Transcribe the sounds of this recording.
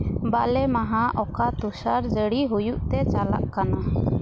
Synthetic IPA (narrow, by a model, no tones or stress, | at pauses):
baʔlɛmaɦaʔɔkat̪usaɾd͡ʒəɽiɦujuʔt̪ɛt͡ʃala̰ʔkana